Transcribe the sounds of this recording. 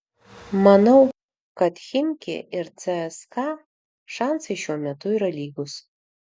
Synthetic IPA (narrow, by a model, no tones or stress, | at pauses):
mɐnɐʊ | kɐt̪xʲɪnʲkʲɪ̰ɪɾt͡s̪ɛɛskɑ | ʃɑnsɐɪʃʲuɔmʲɛt̪ʊiːɾɐlʲiːɡʊs